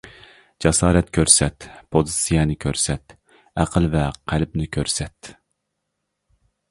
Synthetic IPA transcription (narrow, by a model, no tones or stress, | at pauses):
d͡ʒɑsɑːɾɛt̪kʲʰøɾsɛt̪pʰozɨsijɛnɪkʲʰøɾsɛt̪ | æqʰəlvɛqʰælp̚nɪkʲʰøɾsɛt̪